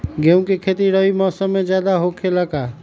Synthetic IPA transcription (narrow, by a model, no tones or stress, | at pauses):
ɡeũkikʰet̪iɾəimɔːsəmːed͡ʒjad̪aɦokʰeləka